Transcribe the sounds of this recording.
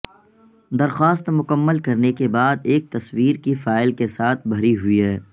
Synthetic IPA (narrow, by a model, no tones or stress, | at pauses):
d̪ɐɾxaːst̪mʊkəmːəlkɐɾnekebaːd̪eːk̚t̪ɐswiːɾkifaːɪlkesaːt̪ʰbʱɐɾiɦʊiɦɛː